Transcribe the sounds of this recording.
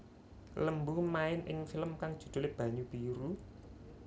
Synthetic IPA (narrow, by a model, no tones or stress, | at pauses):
ləmbumaɪnʔɪ̰ŋfiləmkaŋd̥ʒ̥ṳd̪̥o̤leb̥ä̤ɲub̥iɾu